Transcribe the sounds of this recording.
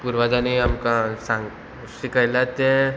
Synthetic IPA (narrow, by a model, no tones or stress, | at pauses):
puɾʋad͡ʒaniɦɐmkasã | sikəjlat̪ẽ